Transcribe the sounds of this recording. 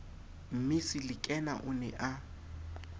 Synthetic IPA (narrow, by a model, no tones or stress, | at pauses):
m̩mɪsɪlɪkʼɛna̰ʔʊnɛ̰ʔa